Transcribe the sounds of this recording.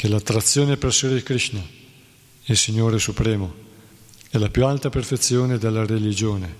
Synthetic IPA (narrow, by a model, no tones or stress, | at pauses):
kelat̪ːɾat̪sːjoːneperseɾeikɾiʃna | ilsiɲːoːɾesupɾɛːmo | ɛlapjualt̪aperfet̪sːjoːned̪elːaɾelid͡ʒoːne